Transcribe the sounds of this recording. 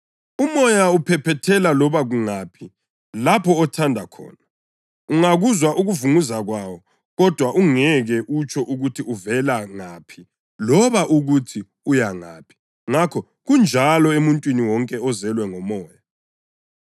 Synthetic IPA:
umɔjaupʰɛpʰɛtʰɛlalɔβaɣuŋaːpʰi | lapʰɔːtʰandʱakʰɔ̰ːna | uŋaɣuzwaʔuɣuvuŋuzaɣwawɔ | ɣɔd̥ʱwaʔuŋɛɣɛʔut͡ʃʰɔʔuɣutʰiuvɛlaŋaːpʰi | lɔβaʔuɣutʰi | ujaŋa̰ːpʰi̥ | ŋakʰɔ | ɣund͡ʒʱalɔemuntʼwiniwɔŋkʼɛɔzɛlwɛŋɔmɔːja

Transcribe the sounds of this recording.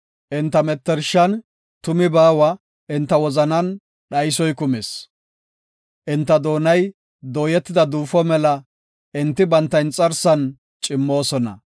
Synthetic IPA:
ʔɪnt̪ːɐmɛt̪ːɛɾʃːɐn | t̪ʊmɪbaːwɐ | ʔɪnt̪ːɐwɔzɐnɐn | ɗɐjsɔjkʊmes | ʔɪnt̪ːɐd̪oːnɐj | d̪oːjɛt̪ːɪd̪ɐd̪uːfɔmɛlɐ | ɪnt̪ːɪbɐnt̪ːɐjnt͡sʼɐɾsɐn | t͡ʃʼɪmːo̞ːsɔnɐ̰

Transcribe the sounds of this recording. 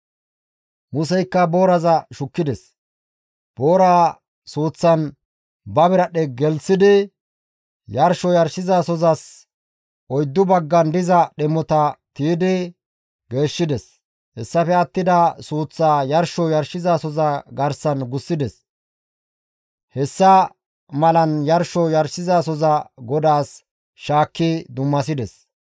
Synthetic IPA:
mʊs̬ɛjkːɐboːɾɐzɐʃʊkːɪd̪ɛs | b̥oːɾaː | suːt͡sːɐn | bɐbɪɾɐɗɛɡɛlsɪd̪ɪ | jɐɾʃɔjɐɾʃɪzaːsɔzɐs | ɔjd̪ːʊbɐɡːɐnd̪ɪzɐɗɛmːɔt̪ɐt̪iːd̪ɪ | ɡe̞ːʃːɪd̪ɛs | hɛsːɐfɛɐt̪ːɪd̪ɐsuːt͡sːaːjɐɾʃɔjɐɾʃɪzasɔzɐɡɐɾsɐnɡʊsːɪd̪ɛs | hɛsːɐ | mɐlɐnjɐɾʃɔjɐɾsɪzaːsɔzɐɡɔd̪aːs | ʃaːkːɪd̪ʊmːɐs̬ɪd̪ɛs

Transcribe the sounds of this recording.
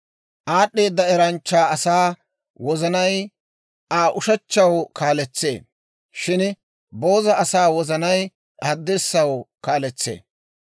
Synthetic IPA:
ʔaːɗːe̞ːd̪ːɐɛɾɐnt͡ʃːaːɐsaː | wɔzɐnɐj | ʔaːʔʊʃɐt͡ʃːɐwkaːlɛt͡sːe̞̰ː | ʃɪn | bo̞ːzɐɐsaːwɔzɐnɐj | ʔad̪ːɪɾsːɐwkaːlɛt͡sːḛː

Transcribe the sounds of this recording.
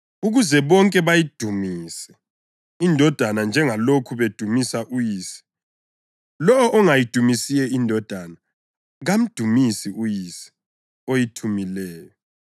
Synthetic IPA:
uɣuzɛβɔŋkʼɛβajid̥ʱumiːsɛ̥ | indʱɔd̥ʱanand͡ʒʱɛŋalokʰuβed̥ʱumisaʔujiːsi̥ | lɔɔʔːŋajid̥ʱumisijɛindʱɔd̥ʱana | ɣam̩d̥ʱumisiujisi̥ | ojitʰumilɛːjɔ

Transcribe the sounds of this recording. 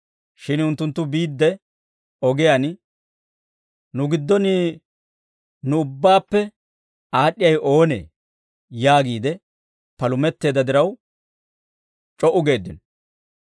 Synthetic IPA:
ʃɪnʊnt̪ːʊnt̪ːʊbiːd̪ːɛ | ɔɡɛjan | nʊɡɪd̪ːɔni | nʊʊbːaːpːɛ | aːɗːɪjɐjʔo̞ːnḛː | jaːɡiːd̪ɛ | pɐlʊmɛt̪ːe̞ːd̪ːɐd̪ɪɾɐw | t͡ʃʼɔʔʊɡe̞ːd̪ːɪn

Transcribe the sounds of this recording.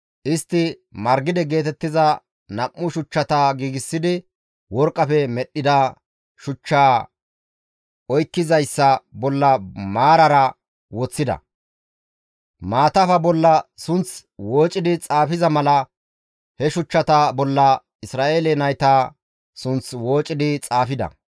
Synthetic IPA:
ʔɪst̪ːɪ | mɐɾɡɪd̪ɪɡe̞ːt̪ɛt̪ːɪzɐ | nɐmːʊʃʊt͡ʃːɐt̪aɡiːɡɪsːɪd̪ɪ | wɔɾkʼːɐfɛmɛɗːɪd̪a | ʃʊt͡ʃːaː | ɔjkːɪzɐjsːɐbɔlːɐmaːɾɐɾɐ | wɔt͡sːɪd̪ɐ̰ | maːt̪ɐfɐbɔlːɐsʊnt͡swoːt͡ʃʼɪd̪ɪt͡sʼaːfɪzɐmɐlɐ | hɛʃʊt͡ʃːɐt̪ɐbɔlːɐ | ɪsɾaːʔeːlenɐjt̪aː | sʊnt͡swo̞ːt͡ʃʼːɪd̪ɪt͡sʼaːfɪd̪ɐ̰

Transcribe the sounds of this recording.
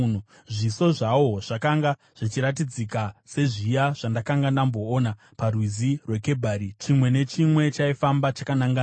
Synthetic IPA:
nu | ʐiso̞ʐawo̞ʐ̥akaŋɡa | ʐ̥it͡ʃiɾat̬id͡zikase̞ʐijaʐ̥andakaŋɡandambo̞ːna | parwizirwe̞ke̞bʱaɾit͡ʃimwe̞ne̞t͡ʃimwe̞t͡ʃaifambat͡ʃakanaŋɡa

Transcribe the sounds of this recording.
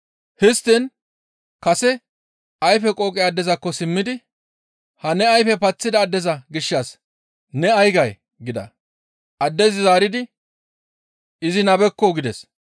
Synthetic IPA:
hɪst̪ːɪn | kɐsɛ | ɐjfɛkʼoːkʼɪaːd̪ːɛzɐkːɔsɪmːɪd̪ɪ | hɐnɛɐjfɛpɐt͡sːɪd̪ɐːd̪ːɛzɐɡɪʃːɐs | nɛɐjɡɐj | ɡɪd̪ɐ̰ | ʔɐd̪ːɛzɪzaːɾɪd̪ɪ | ɪzɪnɐbɛkːɔɡɪd̪ɛs

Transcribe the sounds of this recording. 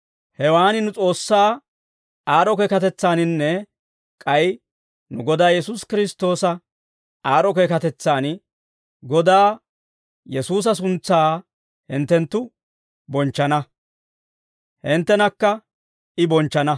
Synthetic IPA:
hɛwaːnɪnʊt͡sʼo̞ːsːaː | aːɾɔkeːkɐt̪ɛt͡sːaːnɪnːɛ | kʼɐj | nʊɡɔd̪aːjɛsuskɪɾɪst̪o̞ːsɐ | aːɾɔkeːkɐt̪ɛt͡sːaːn | ɡɔd̪aː | jɛsuːs̬ɐs̬ʊnt͡sːaː | hɪnt̪ːɛnt̪ːʊ | bɔnt͡ʃːɐnɐ | hɪnt̪ːɛnɐkːɐ | ɪbɔnt͡ʃːɐnɐ

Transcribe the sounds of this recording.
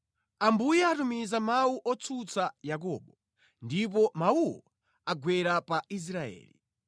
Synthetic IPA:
ambujɛatumizamauʔɔt͡sʰut͡sajak̬ɔːɓɔ | ndip̬ɔmauwɔ | aɡwɛɾapais̬ɾaɛ̰ːlḭ

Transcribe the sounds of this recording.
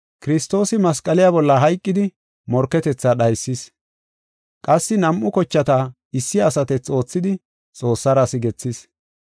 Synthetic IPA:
kɪɾɪst̪ːo̞ːsɪmɐskʼɐlɪjabɔlːɐɦɐjkʼːɪd̪ɪ | mɔɾkːɛt̪ɛt͡sːaɗɐjsːɪs | kʼɐsːɪnɐmʔʊkɔt͡ʃːɐt̪ɐ | ɪsːɪɐsɐt̪ɛt͡so̞ːt͡sːɪd̪ɪ | t͡sʼo̞ːsːɐɾɐsɪɡɛt͡sːɪs

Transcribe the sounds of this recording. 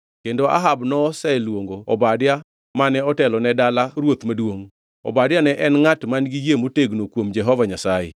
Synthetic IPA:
kendoa̰ɦabnɔsɛlwoŋɡoɔ̰badɪja | manɛɔtɛlɔnɛdalaɾwot̪madwoŋ | ɔ̰badjanɛʔɛnŋatmanɡijemoteɡnokwomd͡ʒɛɦɔvaɲasajḛ

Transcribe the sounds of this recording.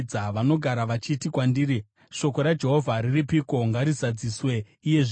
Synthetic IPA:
aʋano̞ɡʱaɾaʋat͡ʃitikwandiːɾi | ʃo̞ko̞ɾad͡ʒe̞ɦo̞vʱaɾiripiko̞ŋɡaɾizad͡ziswe̞ | ije̞ʐ

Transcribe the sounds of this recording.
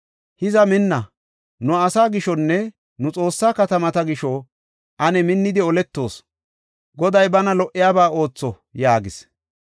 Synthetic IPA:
hɪzɐmɪnːɐ | nʊɐsaːɡɪʃɔnːɛ | nʊt͡sʼo̞ːsːaːkɐt̪ɐmɐt̪ɐɡɪʃɔ | ʔɐnɛmɪnːɪd̪ɪɔlɛt̪ːo̞̰ːs | ɡɔd̪ɐjbɐnɐlɔʔɪjaːbaːo̞ːt͡sːɔ | jaːɡɪs

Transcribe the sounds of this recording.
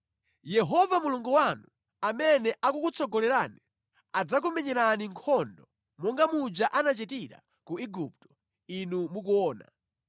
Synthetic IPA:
jɛɦɔvamuluŋɡuwanu | amɛnɛʔakukut͡sʰɔɡɔlɛɾaːni | ad͡zak̬umɛɲɛɾaniŋkʰɔndɔ | mɔŋɡamud͡ʒaʔanat͡ʃɛtiɾa̰ | kuiɡup̚tɔ̥ | inumukuɔːna̰

